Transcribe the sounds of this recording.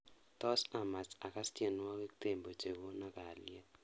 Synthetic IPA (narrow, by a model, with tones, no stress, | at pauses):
tɔ˦sa˨ma˨ta˨ka˦ste˨nwɔ˦ke˦ki̥t̪e˨mbo˨t͡ʃe˨ko˦na˦ka˨lɛ˦